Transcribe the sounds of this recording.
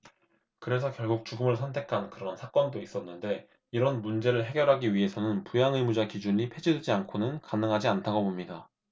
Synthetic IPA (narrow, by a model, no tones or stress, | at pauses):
kɯɾe̞sʰʌkjʌɭɡuk̚t͡ɕuɡɯmɯɭsʰʌntʰe̞kʰankɯɾʌnsʰak͈ʌndois͈ʌnːɯnde̞ | iɾʌnmund͡ʑe̞ɾɯɭɦe̞ɡjʌɾɦaɡiɥiɦe̞sʰʌnɯnpujaŋɯmud͡ʑakid͡ʑuɲipʰe̞d͡ʑidwed͡ʑiankʰonɯnkanɯŋɦad͡ʑiantʰaɡobomɲida